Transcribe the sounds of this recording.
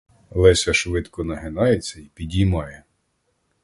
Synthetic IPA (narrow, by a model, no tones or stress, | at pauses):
lˠɛsʲɐʃʋɪt̪kɔnɐɦenɑjet͡sʲːɐipʲidʲimɑjɛ